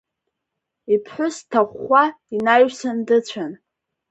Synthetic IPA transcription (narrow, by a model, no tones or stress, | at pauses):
ipʰħʷʊstʰaχʷa | inajsandɨt͡ɕʷʰan